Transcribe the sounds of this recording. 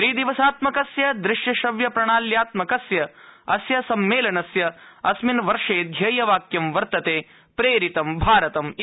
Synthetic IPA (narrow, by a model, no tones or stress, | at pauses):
ʃɾiːd̪iʋɐsaːt̪mɐkɐsjɐd̪ɾɪʃjɐʃɐʋjɐpɾɐɳaːljaːt̪mɐkɐsjɐɐsjɐsɐmːeːlɐnɐsjɐɐsminʋɐɾʂeːd̪ʱjɐjɐʋaːkjɐmʋɐɾt̪ɐt̪eː | pɾeːɾit̪ɐmbʱaːɾɐt̪ɐm